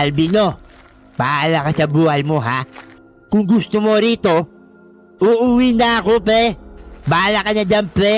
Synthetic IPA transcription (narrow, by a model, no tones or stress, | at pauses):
ɐlbino̞ | baːlɐkɐsɐbuːhɐjmo̞ɦa | kʊŋɡʊst̪omo̞ɾiːt̪o̞ | ʔuːʔuwinɐɐko̞pɛbaːlɐkɐɲad͡ʒanpɾɛ